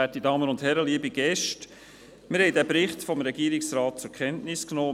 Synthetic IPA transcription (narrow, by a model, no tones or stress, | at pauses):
ætidɑːmənʊndhɛɾəliəbiɡɛʃt | mɪɾhɛɪdæːpɾɪχtfɔmɾɛɡiəɾɪksɾɑːt̚t͡sʊɾkʰɛntnɪsknɔː